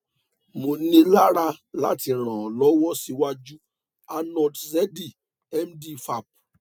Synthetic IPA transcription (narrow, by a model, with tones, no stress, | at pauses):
mo˨nĩ˧la˦ɾa˧la̰˦ti˧˨ɾ̃ã˨ɔ˨lɔ˨˦wɔ˦si˧wa˦d͡ʒu˦ | a˧nɔ˨tzɛ˦di˦˨ | ɛ˦mdi˦fa˦˨p̚